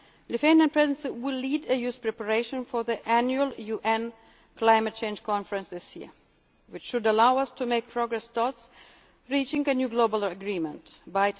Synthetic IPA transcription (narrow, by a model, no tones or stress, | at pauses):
lɨfẽniə̃npʰɹɛznsiwɪlːidɨjuspɹɛpəɹeɪʃə̃nfɔ˞ðiʔænjuəlˠjuʔɛ̃n | kʰlãɪmɨt̚t͡ʃʰẽɪ̃nd͡ʒ̥kʰɑ̃nfəɹə̃nsðɪsjḭɹ | wɨt͡ʃʃʊdəlaʊʌstʰumeɪk̚pʰɹ̥ɔɡɹɛstɔts | ɹit͡ʃɪ̃ŋɨnjuɡloʊbəlˠəɡɹĩmə̰̃ntbaɪ